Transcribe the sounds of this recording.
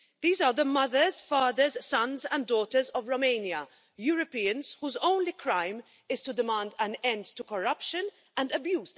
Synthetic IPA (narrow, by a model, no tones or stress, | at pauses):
ðiːzəːðəmʌðəz̥faːðəzsʌ̃nzɛ̃nddːɔːtəzɔvɹomẽɪnjɐ | juːɹɔpiːə̃nz̥huːzõʊ̃nlikʰɹãɪm | ɪz̥tudɪmãːndæ̃nɛ̃nd̪tːukɔɹʌpʃə̃n | ʔɛ̃ndəbjuːz